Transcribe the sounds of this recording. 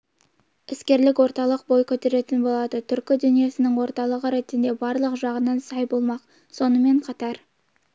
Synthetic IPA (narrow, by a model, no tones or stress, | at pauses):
ɪskʲe̞ɾlɪkwo̞ɾt̪ɑlˠəq̚bo̞jkʲʰɵt̪e̞ɾe̞t̪ɪnbo̞lˠɑd̪ət̪ʰʏɾkʲɪd̪ʏnije̞sɪnɪŋwo̞ɾt̪ɑlˠəʁəɾe̞t̪ːɪnd̪e̞bɑɾlˠəqʒɑʁənɑnsɑjbo̞lˠmɑq | so̞nəme̞ɴqʰɑt̪ɑɾ